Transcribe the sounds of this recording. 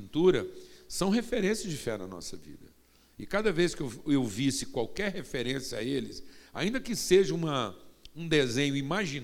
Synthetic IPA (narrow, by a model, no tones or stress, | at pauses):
nt̪uɾɐsɐ̃w̃ɦefeɾẽsiɐzd͡ʒɪfɛnɐ̰nɔ̰sɐvḭd̪ɐ | ɪkad̪ɐveskɪewewvisɪkwawkɛɾhefeɾẽsjɐa̰elɪsa̰ĩnd̪ɐkɪseʒɐũmɐũd̪ezẽɲʊimaʒin